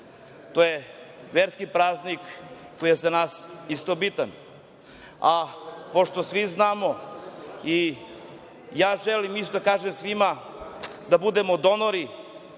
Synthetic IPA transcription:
t̪oːje | ʋeɾskipɾaːznik | kːojijezanaːsist̪obit̪a̰n | apo̞ʂt̪osʋiznaːmo̞ | i | jaːʒelimist̪od̪akaːʒemsʋima | d̪abud̪emod̪o̞noɾi

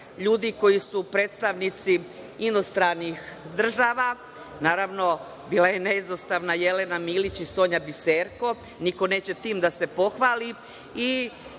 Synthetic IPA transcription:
ʎuːd̪iko̞jisupɾe̞ːt̪st̪aʋnit̪si | inost̪ɾanixd̪r̩ʒaːʋa | naːɾaʋno̞ | biːlˠaje̞neizost̪aʋnajelenamiːlit͡ɕiso̞ːɲabiseːɾko̞ | niko̞ne̞ːt͡ɕe̞t̪iːmd̪ase̞po̞xʋaːli | i

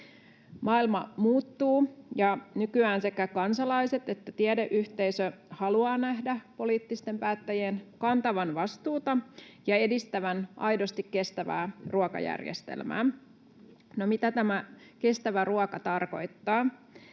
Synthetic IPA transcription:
mɑːilmɑmuːt̪ːuːjɑnykyæːnsekːækɑnsɑlɑjse̞t̪e̞t̪ːæt̪iedeʔyht̪eisøhɑluɑːnæɦdæpo̞liːt̪ːist̪e̞mpæːt̪ːæjenkɑnt̪ɑʋɑnʋɑst̪uːt̪ɑjɑe̞dist̪æʋænʔɑ̰jdo̞st̪ikːe̞st̪æʋæ̰ːruɑkɑ̰jæ̰rjḛst̪ḛlmæ̰ː | nomit̪æt̪æmæke̞st̪æʋæruɑkɑt̪ɑrko̞̰jt̪ːɑː

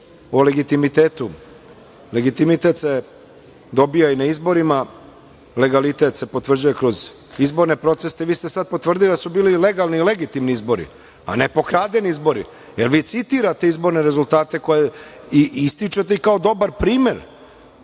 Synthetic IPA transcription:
ole̞ɡit̪imit̪eːt̪u | leɡit̪imit̪e̞t̪se̞ | d̪o̞bijainaizbo̞ɾima | le̞ɡalit̪e̞t̪se̞pot̪ʋr̩d͡ʑuje̞kɾo̞z | izbo̞ɾne̞pɾo̞t̪sest̪eʋiːst̪esad̪̚po̞t̪ʋr̩d̪ilid̪asubiːlile̞ɡalnile̞ɡit̪imniizbo̞ɾḭ | a̰ne̞po̞kɾaːd̪e̞niizbo̞ɾḭ | jelʋiːt̪sit̪iɾat̪e̞izbo̞ɾne̞ɾe̞zult̪aːt̪e̞ko̞je | iist̪it͡ʃe̞t̪e̞ikao̞d̪o̞baɾpɾiːme̞ɾ

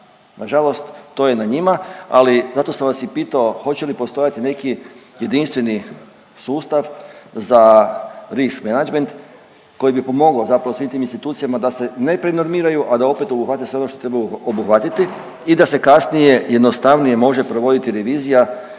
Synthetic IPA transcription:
nʔaʒalo̞st̪ːo̞ːje̞naɲimaa̰lizat̪o̞samʋasjipiːt̪aoxo̞t͡ɕe̞lipo̞st̪o̞jat̪ine̞kije̞d̪inst̪ʋe̞ni | suːst̪aʋza | ɾiskmenad͡ʒme̞nt̪ | ko̞jibipomo̞ɡaozapɾaʋo̞sʋiːmt̪iːminst̪it̪uːt̪sijamad̪ase̞ne̞pɾeno̞ɾmiːɾajuʔad̪ao̞pe̞t̪o̞buxʋat̪esʋeo̞noʃt̪ot̪ɾe̞bajuobuxʋat̪it̪i | id̪ase̞kasnije̞je̞d̪nost̪aʋnije̞mo̞ʒe̞pɾo̞ʋo̞d̪it̪iɾe̞ʋiːzija

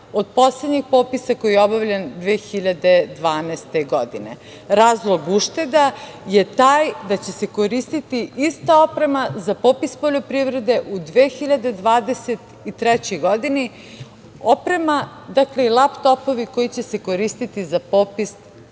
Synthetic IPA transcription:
od̪po̞sled̪ɲixpo̞ːpisako̞jieo̞baʋlʎʲend̪ʋeːxiʎad̪e̞d̪ʋaːnɛst̪e̞ɡod̪ine̞̰ | ɾaːzlˠo̞ɡuʃt̪e̞d̪a | je̞t̪aːjd̪at͡ɕe̞se̞ko̞ɾist̪it̪iist̪ao̞pɾe̞mazapopispoʎo̞pɾiʋɾe̞d̪e̞ʔud̪ʋeːxiʎad̪e̞d̪ʋaːd̪e̞se̞t̪ | it̪ɾɛt͡ɕojɡo̞d̪ini | opɾe̞ma | d̪akle̞ilˠapt̪o̞po̞ʋiko̞jit͡ɕe̞se̞ko̞ɾist̪it̪izapo̞ːpis

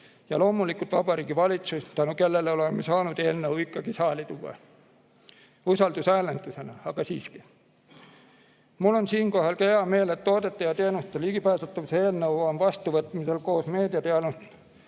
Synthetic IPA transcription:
jɑlo̞ːmulikult̪vɑb̥ɑɾiːɡ̥ivɑlit̪sust̪ænuke̞lːe̞leo̞lemːesɑːnud̪e̞ːlnɤwikːˑɑɡ̥isɑːlit̪uɑ̰ | usɑld̪usæːlend̪̥use̞nɑɑɡ̥ɑsḭːski̥ | mulːo̞nsiːnko̞ɦɑlkɑheɑme̞ːlet̪ːo̞ːd̪e̞t̪ːˑɑjɑt̪e̞ːnust̪eliɡ̥ipæːsɑt̪ːˑɑvsee̞ːlnɤwonvɑst̪uvɤt̪ˑmise̞lko̞ːsme̞ːd̪iɑt̪eɑnust̪

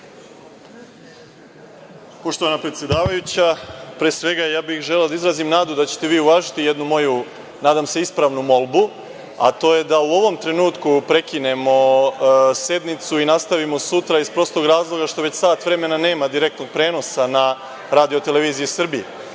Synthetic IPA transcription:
poʃt̪oʋanapɾet̪sjed̪aːʋajut͡ɕapɾeːsʋe̞ɡajaːbixʒelelod̪aizɾazimnaːd̪ud̪at͡ɕe̥t̪e̞ʋiːuʋaːʒit̪ije̞d̪numo̞ju | naːd̪amse̞ispɾaʋnumo̞lˠbu | a̰t̪o̞ːje̞d̪auo̞ʋo̞mt̪ɾe̞nuːt̪kupɾe̞kine̞mo̞ | se̞d̪nit̪suinast̪aʋimo̞sut̪ɾaispɾo̞st̪oɡɾaːzlˠo̞ɡaʃt̪o̞ʋe̞t͡ɕsaːt̪ʋɾe̞me̞nane̞ːmad̪iɾe̞k̚t̪no̞ɡ̚pɾe̞ːno̞sana | ɾaːd̪io̞t̪eleʋiːzijesr̩bije

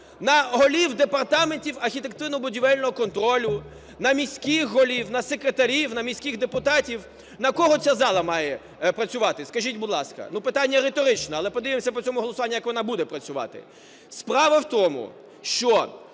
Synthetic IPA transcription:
nɐɦɔlʲiwd̪epɐrt̪ɑmenʲtʲiwɐrxʲit̪ekt̪ɪwnɔbʊdʲiʋɛlʲnɔɦɔkɔnt̪ɾɔlʲʊ | nɐmʲisʲkixɦɔlʲiwnɐsekɾet̪ɐɾʲiwnɐmʲisʲkʲixd̪epʊt̪ɑtʲiw | nɐkɔɦɔt͡sʲazɑlˠɐmɑjɛ | pɾɐt͡sʲʊʋɑt̪ɪskɐʒʲitʲbʊd̪lˠɑskɐ̰nupɪt̪ɑnʲːɐɾet̪ɔɾɪt͡ʃnɛɐlˠɛpɔd̪ɪʋɪmsʲɐpɔt͡sʲɔmʊɦɔlˠɔsʊʋɑnʲːʊjɐkʋɔnɑbud̪ɛpɾɐt͡sʲʊʋɑ̰t̪ɪ̰ | spɾɑʋɐwt̪ɔmʊ̰ | ʃt͡ʃɔ

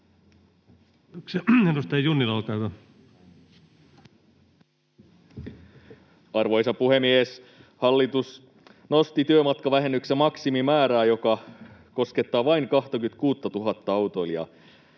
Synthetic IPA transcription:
okseedust̪ɑjjunːilɑlkɑːkɑ | ɑrʋo̞jsɑpuhemies | hɑlːit̪us | no̞st̪it̪yømɑt̪kɑʋæɦenːyksemɑksimimæːɾæːjo̞kɑko̞ske̞t̪ːɑːʋɑiŋkɑht̪ɑkyt̪̚kuːt̪ːɑt̪uɦɑt̪ːɑɑwt̪o̞iljɑ̰

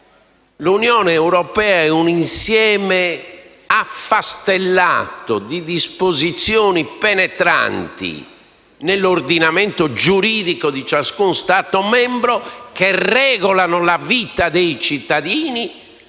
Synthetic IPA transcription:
lunjɔːnɛːuɾɔpɛːaɛuninsjɛːmɛ | afːast̪ɛlːa̰ːt̪od̪id̪ispozit̪sjɔːnipɛnɛt̪ɾa̰nt̪ḭ | nelːord̪inamɛnt̪od͡ʒuɾiːðikod̪it͡ʃaskunst̪aːt̪ɔmɛmbɾɔkerɛːɣɔlanɔlavit̪ad̪ejt͡ʃit̪ːaðiːni

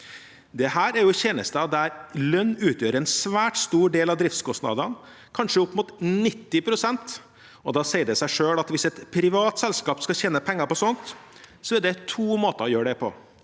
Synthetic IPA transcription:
d̪ɛhæːɾæɾjʊçeːnə̰st̪əɑd̪æɾlœnːʉːt̪ʰjøːɾəɾɛnsʋæːʈst̪uːɖeːlɑʋd̪ɾɪft̪skɔsnɑ̰d̪ɑn | kʰɑnʂəʊpːmʊt̪nɪt̪ːɪpʰɾʊsɛnt̪ | ɔd̪ɑːsɛɪəɖɛsæɪʂøːlɑt̪ʋɪsɛt̪pʰɾɪʋɑːt̪sɛlskɑːpskɑçeːnəpʰɛŋːɑɾpɔsɔnt̪ | sɔɛɖɛt̪ʰuːmoːt̪əɾɔjøːɖɛpʰɔ̰

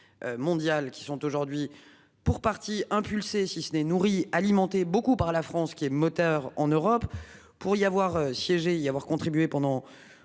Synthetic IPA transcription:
ømɔ̃d̪jalkʲi̥sɔ̃t̪oʒuʁd̪ɥi | puʁpaʁt̪iɛ̃pylsesisənɛnuʁialimɑ̃t̪ebokupaʁlafχɑ̃skʲiɛmɔt̪œʁɑ̰̃nøʁɔp | puʁiavwaʁøsjɛʒeavwaʁkɔ̃t̪χibɥepɑ̃d̪ɑ̃

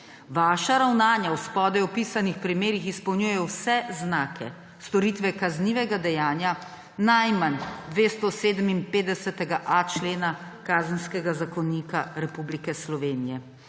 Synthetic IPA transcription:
ʋaːʃaɾawnaːnjawspɔd̪ɛwpiːsanixpɾimeːɾixispɔwnjujɛwsɛznaːkʰɛ̰ | st̪ɔɾiːt̪ʋɛkazniːʋɛɡad̪ɛjaːnja | najmand̪ʋeːst̪ɔseːd̪əminpeːd̪ɛsɛt̪ɛɡaʔat͡ʃleːnakaːzənskɛɡazakɔniːkaɾɛpublikɛslɔʋeːnijɛ

